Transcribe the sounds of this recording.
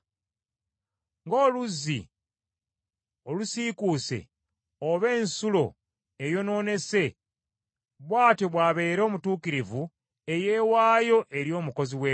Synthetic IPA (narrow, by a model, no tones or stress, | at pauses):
ŋɡo̞ːluzːḭ | olusiːkuse̞̰ | oβe̞ːnsulo̞ | ejo̞no̞ːne̞se̞ | βwaːtoβwaːβe̞ːɾo̞ːmutuːkiɾivu | e̞je̞ːwaːjo̞ʔe̞ɾjo̞ːmuko̞ziwe